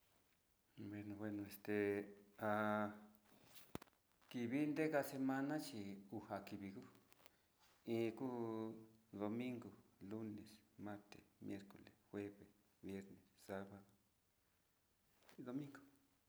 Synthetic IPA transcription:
bwe˧nõ˨βwe˧nõ˧e˧st̪e˧a˧ | ki˧βi˦nd̪e˦ɣa˧se˧mã˧nã˦t͡ʃi˧u˧ha˨ki˨βi˧ku˦ | ĩ˦˧ku˦ | ðo˧mĩ˦ŋɡo˨lu˦ne˨smã˦ɾt̪ḛ˨mje˦ɾko˨le˨sxwe˦βe˨s | βje˦ɾne˨ssa˦βa˨ðo˨ | ðo˧mĩ˦ŋɡo̥˨

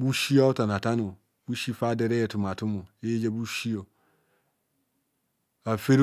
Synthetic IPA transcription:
bu˦ʃi˦a˦o˦ta˨na˨ta˦no˨ | bu˦ʃi˦fa˦de˦ɾe˦je˨tu˨m˨a˨tu˦mo˨e˦d͡ʒa˦bu˦ʃi˦o˨ | a˨fe˦ɾ

